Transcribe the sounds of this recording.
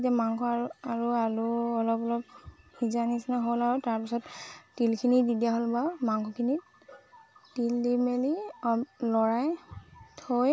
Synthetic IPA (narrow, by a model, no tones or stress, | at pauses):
tamaŋkʰɔaɹuaɹuɔlɔpɔlɔp | hizanisinaɦolaɹutaɹpisɔtːilkʰinididijaɦolbamaŋkʰɔkʰini | tildimeli | lɔɹajtʰoj